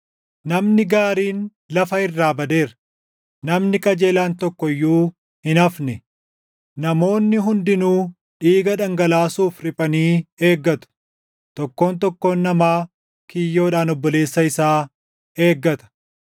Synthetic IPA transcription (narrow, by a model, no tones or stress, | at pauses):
nɐmnɪɡaːɾiːn | lɐfɐɪrːaːbɐd̪e̞ːɾ | nɐmnɪkʼɐd͡ʒe̞ːlaːnt̪ɔkːɔjːuː | hɪnɐfnɛ | nɐmo̞ːnːɪɦʊnd̪ɪnuː | ᶑiːɡɐᶑɐŋɡɐlaːsuːfɾɪpʼɐniːe̞ːɡːɐt̪ʊ̥ | t̪ɔkːo̞ːnt̪ɔkːo̞ːnːɐmaː | kɪjːo̞ːᶑaːnɔbːɔle̞ːsːɐɪsaː | e̞ːɡːɐt̪ɐ̥